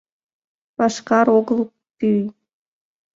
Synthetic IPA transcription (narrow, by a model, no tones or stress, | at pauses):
pɑʃkɑɾoɣəlˠ | t̪yj